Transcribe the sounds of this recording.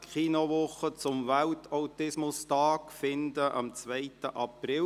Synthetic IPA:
kχiːnoʋʊχət͡sʊmvæltʰaʊtɪsmʊstɑːkfɪndəʔɑ̰mt͡sʋɛɪt̪əʔɑprɪ

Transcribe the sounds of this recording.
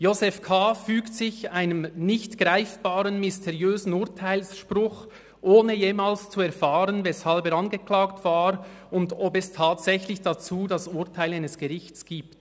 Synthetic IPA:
jozɛfkʰaːfyːktsɪçaɪnəmnɪçtɡ̥ʁaɪfb̥aːʁənmɪstʰɛʁiøːzn̩ʊtʰaɪlsʃpʁʊx | ʔoːnəjeːmaːlst͡suɛɐʁfaːʁənvɛshalbɛɾʁɑnɡəkl̥aːktv̥aːɾ | ʊndɔbɛstʰaːtsɛçlɪçd̥at͡suːdasʊʁtʰaɪlaɪnəsɡ̥əʁɪçtt͡sɡ̥iːp̚t

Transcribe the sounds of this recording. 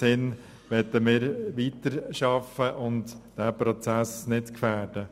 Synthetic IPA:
ɪn | ʋɛtəmɪːɾʋitəɾʃɑfəʔʊntd̥æːpɾɔt͡sæsnɪtkfæːɾd̥ə

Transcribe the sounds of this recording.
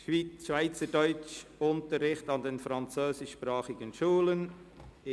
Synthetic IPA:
ʃʋiːʃvaɪt͡sədɔʏt͡ʃʊntəɾːɪχtɑndenfɾɑnt͡søːsɪʃːpɾɑːχɪɡənʃuːlən

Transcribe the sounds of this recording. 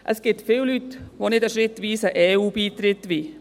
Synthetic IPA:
ʔəsɡ̥ɪtfɪllytʋoːnɪdəʃɾɪt̪ʋiːsəʔeːuːbiːt̪ɾɪtʋiː

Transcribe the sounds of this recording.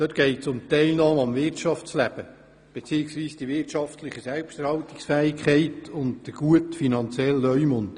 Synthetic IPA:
d̥øt̪ɡ̥ɛɪtsʊmt̪ɛɪlnɑːmɑmvɪrtt͡ʃɑft͡slæb̥ə | b̥et͡siːɪksʋiːsd̥iʋɪtt͡ʃɑftlɪχəsɛlpʃtɛɾhɑwtɪksfɛːɪkʰχɛɪtʊntd̥əɡ̥uətfinɑnt͡sjɛlːœʏmʊnt

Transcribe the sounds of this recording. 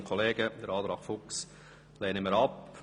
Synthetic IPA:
kʰɔleːɡ̥əd̪əɾɑːt̪ɾɑːɡ̥fʊks | leːnəməɾɑp

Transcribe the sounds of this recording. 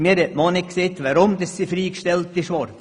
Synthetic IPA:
miəɾhɛʔmɔːnɪkkseːt̪ʋaɾʊmd̥̪əssifɾiːkʃtɛlt̪ɪʃʋɔɾd

